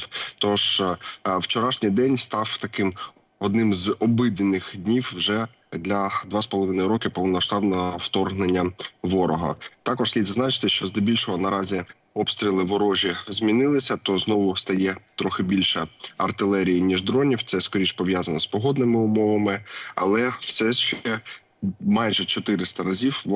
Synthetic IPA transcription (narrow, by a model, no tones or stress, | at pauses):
t̪ɔʒ | wt͡ʃɔɾɑʃnʲijd̪ɛnʲst̪ɑwt̪ɐkɪm | ɔd̪nɪmzɔbɪd̪ɪnɪxd̪ʲnʲiwwʒɛ | d̪lʲɐd̪ʋɑspɔlˠɔʋɪnɐjɾɔkɪpɔʋnɔnɐʃt̪ɑbnɔɦɔwt̪ɔrɦnenʲːɐʋɔɾɔɦɐ̰t̪ɑkɔʒ̥sʲlʲid̪zɐznɑt͡ʃɪ̥t̪ɪʃt͡ʃɔzd̪ɔbʲilʲʃɔɦɔnɐɾɑzʲi | ɔpst̪ɾʲilˠɪʋɔɾɔʒʲizʲmʲinɪlˠɪsʲɐt̪ɔznɔʋʊst̪ɐjɛt̪ɾɔxɪbʲilʲʃɐɐ̰rt̪ɪlˠɛɾʲijinʲiʒd̪ɾɔnʲiwt̪sɛskɔɾʲiʃpɔʋjazɐnɔspɔɦɔd̪nɪmɪʊmɔʋɐmɪɐ̰lˠɛw̥sɛʃt͡ʃɛ | mɑjʒɛt͡ʃɔt̪ɪɾɪst̪ɐɾɐzʲiw